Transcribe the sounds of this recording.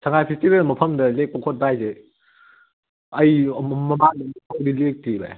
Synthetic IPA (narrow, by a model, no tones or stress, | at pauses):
sʰɐŋajpʰestibelmɐpʰɐmdɐlek̚pɐkʰot̚bajze | ɐjmɐmadɐnikʰowdilek̚tiba̰j